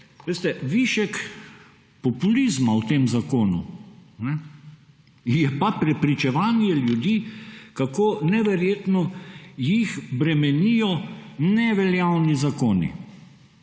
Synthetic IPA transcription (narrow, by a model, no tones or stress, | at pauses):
ʋeːst̪ɛʋiʃɛk | pɔpulizmawt̪eːmzakoːnṵnɛ | jɛpapɾɛpɾit͡ʃɛʋaːniɛljud̪iːkakoːnɛʋɛɾjeːt̪nɔjixbɾɛmɛnijɔnɛʋɛljawnizakoːnḭ